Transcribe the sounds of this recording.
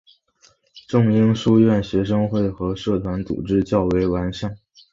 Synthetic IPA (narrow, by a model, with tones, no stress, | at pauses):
ʈ͡ʂʊ˥˧ŋi˥ŋʂu˥ɥɛ˥˩nɕɥɛ˧˥ʂ̬ɤ˥ŋxwe˥˩ɪxɤ˧˥ʂɤ˥˩t̪ʰwa˧˥nt͡sṵ˨˩ʈ͡ʂɻ̩˥t͡ɕjɑ˥˩ʊwe˧˥ɪwa˧˥nʂa˥˩n